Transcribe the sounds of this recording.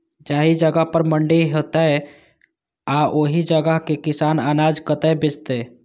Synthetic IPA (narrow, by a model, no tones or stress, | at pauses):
d͡ʒaɦid͡ʒəɡəɦpəɾməɳɖiɦot̪əj | aʔoɦid͡ʒəɡəɦkekisananad͡ʒkət̪əebed͡ʒt̪ɛ